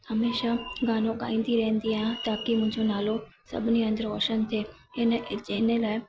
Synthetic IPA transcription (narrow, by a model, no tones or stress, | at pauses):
hɐmeːʃaɡaːnõka̰ːĩːnd̪iɾɛɦə̃nd̪iaːjãt̪aːkimʊ̃ɦɪ̃ɲd͡ʒonaːlosɐ̰bʱɪniɐ̃nd̪əɾɔːʃənt̪ʰeː | ɪnd͡ʒeːnelaːɪ